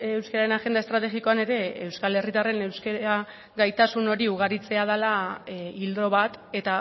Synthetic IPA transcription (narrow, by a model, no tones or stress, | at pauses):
ewskeɾaɾe̞naʝe̞nd̪aest̪ɾat̪e̞ɣiko̞ane̞ɾe̞ːwskale̞rit̪are̞ne̞wske̞a | ɣajt̪asuno̞ɾiuɣaɾit͡se̞að̞alaild̪ɾo̞βat̪e̞t̪a